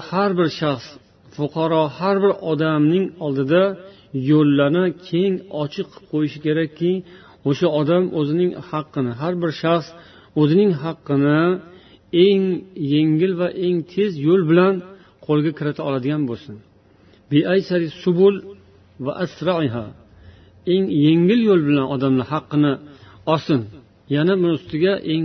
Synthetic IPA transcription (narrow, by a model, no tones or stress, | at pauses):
haɾbɪɾʃaχs | fʊqʰɑɾɒhaɾbɪɾɒd̪amnɪŋɒlˠd̪ɪd̪a | jolːaɾnɪkʲʰe̞ŋɒt͡ʃʰɨqʰːp̚qʰojɪʃɪ̥kʲʰe̞ɾakʲʰːɪ | oʃaɒd̪amʔɵzɪnɪŋhɑqʰːɨnɪɦaɾbɪɾʃaχs | ɵzɪnɪŋɦɑqʰːɨnɪ | e̞ŋje̞ŋɪlvaʔe̞ŋt̪ʰe̞zjolˠbɪlan | qʰolˠɡʲakʲʰɪɾɪt̪ʰaɒlˠad̪ɪɡʲanbolˠsɪn | beʔajsaɾisʊbʊl | va̰ʔasɾɑʕɪɦa | e̞ŋje̞ŋɪljolˠbɪlanɒd̪amnɪhɑqːɨnɪɒsɪn | janabʊnʊst̪ɪɡʲaʔeŋ